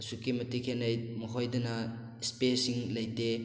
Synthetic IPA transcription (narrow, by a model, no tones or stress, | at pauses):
sukimɐtikʰenɐjmɐɦojdɐnɐ | spesiŋlɐjte